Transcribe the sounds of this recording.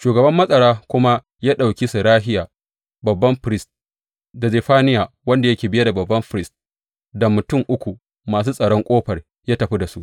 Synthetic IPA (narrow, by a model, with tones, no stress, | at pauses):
ʃuː˨ɡɐ˨bɐ˦mːɐ˦sʼɐ˨ɽaː˦kʷʊ˦ma˦ | jaː˦ɗa˨wkʲi˦su˨ɽaː˦ɦɪ˦jaː˨ | bɐ˨bːɐ˦mɸɾɪ˦st | da˨zeː˨ɸaː˦nɪ˦jaː˨ | wɐ˦nda˨jɐ˦kʲeː˨bɪ˦ja˦da˨bɐ˨bːɐ˦mɸɪ˨ɾɪ˦st̚ | dɐ˨mʊ˨tʊ˦˨mʔʊ˦kʷu˨ | maː˨s̬uː˦sʼɐ˨ɽɔ˦ŋkʷʼoː˦ɸɐ˨r | jaː˦tɐ˨ɸi˦da˨su˦ʔ